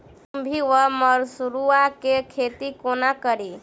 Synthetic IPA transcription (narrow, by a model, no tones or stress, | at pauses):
mbʱiʋəməɾsuɾuakekʰet̪ikonakəɾi